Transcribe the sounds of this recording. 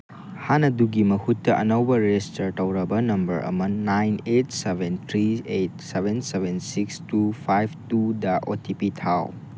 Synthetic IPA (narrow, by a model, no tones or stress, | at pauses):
hanɐduɡimɐhutːɐʔɐnɐwbɐɾestɐɾtɐwɾɐbɐnɐmbɐɾʔɐ̰mɐnajnetsebentʰɾiet̚sebʱensebensikstupʰajb̚ʰtudɐʔo̰tʰipitʰaw